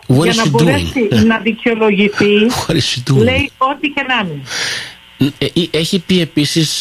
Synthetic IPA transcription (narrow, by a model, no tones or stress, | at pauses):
ɣɐɾiɐsnɐboɾesinɐðiceo̞lo̞ʝiθixɐɾisit̪ule̞io̞t̪ice̞nɐmin | ieçipie̞pisis